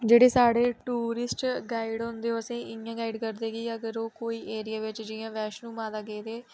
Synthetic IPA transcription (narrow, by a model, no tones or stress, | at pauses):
d͡ʒeːɽeːsaːɽeːʈuːɾɪsʈɡaːɪɖɦõːnd̪eːoːəsĩːɪjãːɡaːɪɖkəɾd̪eːɡiːəɡəɾoːkoːiːʔeːɾɪjaːʋɪt͡ʃd͡ʒɪjãːʋɛːʃnũːmãːd̪aːɡeːd̪eː